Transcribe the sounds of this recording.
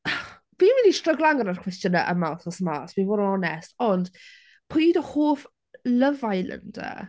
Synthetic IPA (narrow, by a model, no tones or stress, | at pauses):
b̥iːnwɪnistrəɡlˠaŋənarkʰw̥ɛstjənəʔə̰mawθɔsmasbinvoːdɔnɛstɔnd̥ | pʰojdəhoːf | ləvajlə̰ndə̰